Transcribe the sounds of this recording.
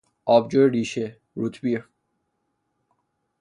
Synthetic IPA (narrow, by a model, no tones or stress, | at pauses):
ɔːbd͡ʒoɾiːʃe | ɾut̪ʰbiɾ